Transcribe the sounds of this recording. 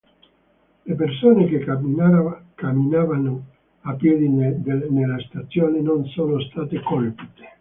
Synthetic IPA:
lep̬ersoːneke | kamːinaːvano | apːjɛːd̪id̪enelːast̪at̪sːjoːnenonsoːnost̪aːt̪ekolpi̥ːt̪e̥

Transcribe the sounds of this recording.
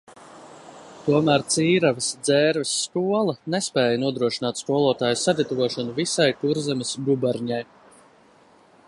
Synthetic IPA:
t̪uɔmæːɾt̪siːɾavisd̪zɛːɾvisːkuɔlˠɐnespɛːjanuɔd̪ɾuɔʃinaːt̪skuɔlˠuɔt̪aːjsaɡ̪ʲat̪uvuɔʃɔnuvisajk̪uɾzɛmɪsɡubaɾɲaj

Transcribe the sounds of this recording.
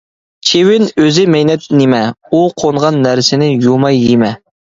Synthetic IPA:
t͡ʃʰewɪnøzɪmɛjnɛt̪nɪmɛuqʰoɴʁɑnːæɾsɪnɪjomɑjːemɛ

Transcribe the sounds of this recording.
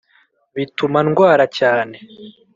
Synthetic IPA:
βitumanɡwaːɾacaːne̞

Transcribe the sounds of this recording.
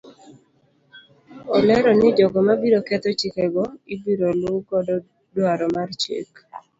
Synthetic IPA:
ɔlɛɾɔnɪd͡ʒɔɡɔmabiɾokɛt̪ɔt͡ʃikɛɡɔibiɾolukɔdɔ | dwaɾɔmart͡ʃḛk

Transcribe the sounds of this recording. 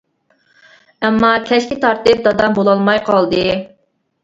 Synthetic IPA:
ɛmːɑkʲʰɛʃkʲit̪ʰɑɾt̪ɨp̚d̪ɑd̪ɑmbolˠɑlˠmɑjqʰɑlˠd̪ɨ

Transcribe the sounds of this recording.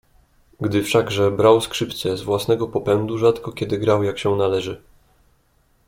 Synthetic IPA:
ɡd̪ɘfʂaɡʐɛbɾawskʂɘpt̪sɛzvwasnɛɡɔpɔpɛnd̪uʐat̪kɔkʲɛd̪ɘɡɾawjakɕɛnalɛʐɘ

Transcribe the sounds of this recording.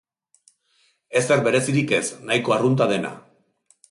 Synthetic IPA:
e̞se̞ɾbe̞ɾe̞siɾike̞snajko̞arunt̪að̞e̞na̰

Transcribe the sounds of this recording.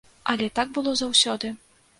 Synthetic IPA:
ɐlʲɛt̪aɡ̚bɨlˠɔzawsʲɔd̪ɨ

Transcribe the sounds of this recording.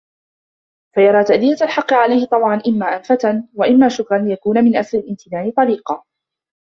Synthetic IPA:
fajɑɾˤɑːt̪aʔd̪ɪjat̪alħɑqːɨʕalajhɪt̪ˤɑbʕɑnʔɪmːaːʔamfat̪anwaʔɪmːaːʃʊkɾˤɑnjakuːnamɪnʔasɾɪlʔɪmt̪ɪnaːʕɪt̪ˤɑɾiːqɑː

